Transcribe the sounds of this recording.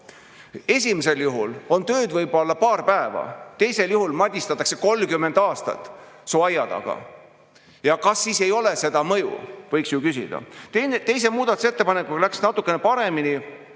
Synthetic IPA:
e̞s̬ʲimese̞ljuɦulo̞nt̪ø̞ːd̪vɤjbo̞lːɑpɑːrpæevɑ̰t̪e̞jse̞ljuɦulmɑd̪ʲist̪ɑt̪ːˑɑkse̞ko̞lːkymːe̞nd̪̥ɑːst̪ɑ̰t̪ːˑ | soɑjɑd̪ɑ̰ɡ̥ɑ̰ | jɑkɑsːiːse̞jo̞le̞se̞d̪̥ɑmɤjṵvɤjksjukysḭd̪̥ɑ̰t̪enet̪e̞js̬e̞muːd̪ɑt̪use̞t̪ːepɑne̞kːˑuɡɑlæksnɑt̪ːˑukːˑe̞nepɑɾe̞mini

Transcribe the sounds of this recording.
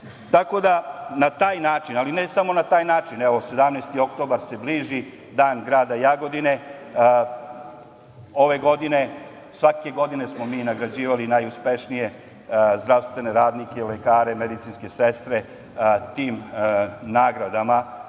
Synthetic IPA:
t̪ako̞d̪anat̪aːjnaːt͡ʃinalinesamo̞nat̪aːjnaːt͡ʃineʋo̞se̞d̪amnest̪io̞kt̪o̞baɾse̞bliːʒi | d̪aːnɡɾaːd̪ajaɡo̞d̪ine̞ | o̞ʋe̞ɡo̞d̪ine̞ | sʋake̞ɡo̞d̪ine̞smo̞miːnaɡɾad͡ʑiːʋalinajuspe̞ʂnije̞ | zd̪ɾaʋst̪ʋe̞ne̞ɾaːd̪nikeilekaːɾe̞med̪it̪sinske̞sest̪ɾe̞ | t̪iːm | naːɡɾad̪ama

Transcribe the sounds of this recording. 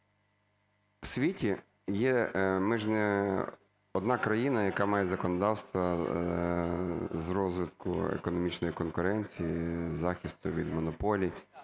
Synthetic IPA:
wsʲʋʲitʲi | jɛmɪʒnɛ | ɔd̪nɑkɾɐjinɐjɐkɑmɑjɛzɐkɔnɔd̪ɑwst̪ʋɐ | zɾɔzʋɪt̪kʊ̰ḛkɔnɔmʲit͡ʃnɔjikɔnkʊɾɛnʲt͡sʲijizɑxʲist̪ʊʋʲid̪mɔnɔpɔlʲij

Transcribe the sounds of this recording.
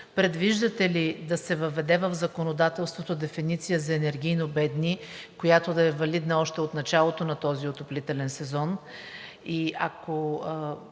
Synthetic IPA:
pɾɛd̪viʒd̪ət̪ɛlid̪ɐsɛvɐvɛd̪ɛvəvzɐkonod̪at̪ɛlˠst̪vot̪od̪ɛfinit̪sijəzɐɛnɛɾɡ̟ʲijnobɛd̪nikojat̪od̪ɐɛvɐlid̪nɐɔʃt̪ɛot̪nɐt͡ʃalˠot̪onɐt̪ɔziot̪oplit̪ɛlɛnsɛzɔn | iako

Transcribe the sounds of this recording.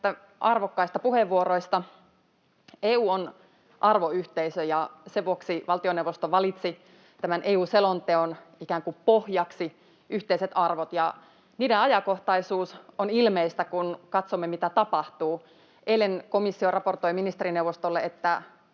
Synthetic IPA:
t̪ːæ | ʔɑrʋokːɑist̪ɑpuheʋuoɾoist̪ɑ | eːuːon | ʔɑrʋoyht̪eisøjɑseʋʋuoksiʋɑlt̪ioneuʋost̪oʋɑlit̪si | t̪æmænʔeːuːselont̪eonikæːŋkupohjɑksi | ʔyht̪eiset̪ɑrʋot̪jɑ | niːdeɑjɑkoht̪ɑisuːsonilmeist̪ækunkɑt̪somːemit̪æt̪ɑpɑht̪uː | ʔeilenkomisːiorɑport̪oiminist̪eɾinewʋost̪olːeet̪ːæ

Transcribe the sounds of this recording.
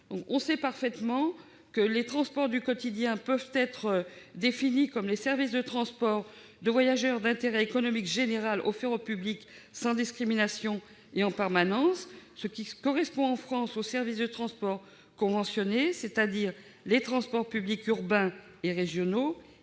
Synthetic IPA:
d̪ɔ̃kɔ̃sɛpaʁfɛt̪mɑ̃ | kəlet̪χɑ̃spɔʁd̪ykɔt̪id̪jɛ̃pœvt̪ɛt̪χəd̪efinikɔmlesɛʁvisd̪ət̪χɑ̃spɔʁ | d̪əvwajaʒœʁd̪ɛ̃t̪eʁɛekɔnɔmikʒeneʁalo̰fɛʁopyblik | sɑ̃d̪iskχiminasjɔ̃ | eɑ̃pɛʁmanɑ̃sːəkʲikɔʁɛspɔ̃ɑ̃fχɑ̃sosɛʁvis̬d̪ət̪χɑ̃spɔʁ | kɔ̃vɑ̃sjɔneset̪ad̪iʁ | let̪χɑ̃spɔʁpyblikyʁbɛ̃ | eʁeʒjɔno

